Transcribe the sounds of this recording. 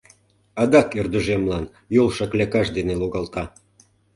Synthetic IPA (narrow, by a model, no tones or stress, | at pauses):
ɑd̪ɑkørd̪əʒemlɑn | jolˠʃɑklʲækɑʃd̪eneloɣɑlt̪ɑ